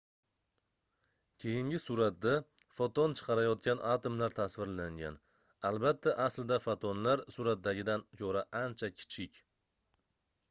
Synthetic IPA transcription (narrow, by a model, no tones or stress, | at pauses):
kʲʰejɪŋɡʲɪsuɾat̪̚d̪a | fot̪ɒnt͡ʃʰɨ̥qʰɑɾajɒt̪̚kʲanʔat̪omlaɾt̪ʰasvɪɾlaŋɡʲa̰n | albat̪ʰːaʔasld̪afot̪ʰɒnlaɾsuɾat̪̚d̪aɡʲɪd̪ankʲʰoɾaʔant͡ʃʰakʲʰɪ̥t͡ʃʰɪkʲ